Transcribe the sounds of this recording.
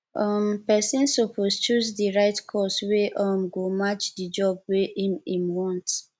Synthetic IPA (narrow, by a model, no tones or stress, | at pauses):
ɔmpɛsĩnsopɔst͡ʃusdiɹaɪtkʰɔsweʔɔmɡomat͡ʃdid͡ʒɔb̚weʔimĩmwɔ̃nt